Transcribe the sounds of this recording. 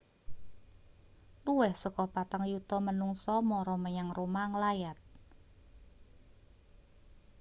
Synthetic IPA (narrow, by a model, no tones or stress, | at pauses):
luwɛhsəkɔhpat̪aŋjut̪ɔmənuŋsɔmɔɾɔməjaŋromaŋlajat̪̚